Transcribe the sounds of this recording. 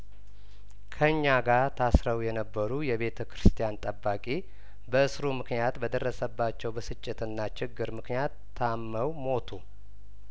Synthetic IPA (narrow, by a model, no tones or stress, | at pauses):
kʰəɨɲːaɡaɾt̪ʰasɾəwjɛnəbːəɾujɛβe̞t̪ʰəkɾɨst̪ʰijant̪ʼəbːakʼe | bəɨsɾumɨknijat̪bəd̪ərːəsəbːat͡ʃːɛwbəsɨt͡ʃʼːɪt̪ɨnːat͡ʃɪɡːɨɾmɨknjat̪ʰːamːəwmo̞t̪ʰu